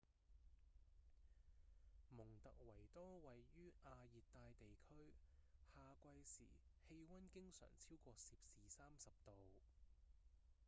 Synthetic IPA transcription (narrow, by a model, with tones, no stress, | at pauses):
mʊ˨˩ŋt̪ɐ˨k̚wɐ˨˩jt̪ɔː˥wɐ˨˩jːyː˥ʔaː˧jiː˨t̚t̪ːaː˧jt̪e˨jkʰɵ˥ɥhaː˨kʷɐ˧jsḭː˨˩he˧jwɐ˥nkɪ˥ŋsœ̰ː˨˩ŋt͡sʰiː˥wkʷɔː˧siː˨p̚siː˨saː˥msɐ˨p̚t̪o˨w